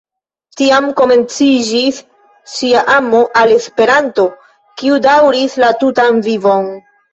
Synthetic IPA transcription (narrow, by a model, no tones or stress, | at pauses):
tiamko̞me̞nt͡sid͡ʒisː | iaʔamo̞ʔale̞spe̞ɾanto̞ | kiudawɾislatutanvivo̞n